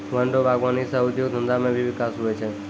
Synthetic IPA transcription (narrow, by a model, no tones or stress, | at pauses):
ʋəɳɖobʱaɡʋanisaʊd̪joɡ̚d̪ʱənd̪amẽbʱiʋɪkasɦojt͡ʃʰe